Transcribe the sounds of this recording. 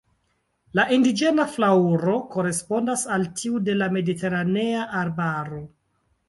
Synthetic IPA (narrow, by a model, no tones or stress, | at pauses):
laʔindid͡ʒe̞naflauɾo̞ko̞ɾe̞spo̞ndasaltʰiude̞lame̞dite̞ɾane̞aʔaɾbaɾo̞